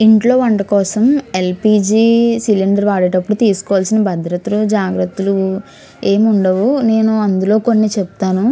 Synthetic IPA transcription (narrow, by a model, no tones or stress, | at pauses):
iɳʈlo̞ːʋɐɳʈɐkɔːsɐme̞lpiːd͡ʒiːsiliɳɖɐɾʋaːɽeʈɐpːuɽut̪iːsu̥kɔːʋaːlsinɐbʱɐd̪ɾɐt̪ulud͡ʒaːɡɾɐt̪ːulu | e̞ːmuɳɖɐʋune̞ːnuɐnd̪ulo̞ːko̞nːit͡ʃebut̪aːnu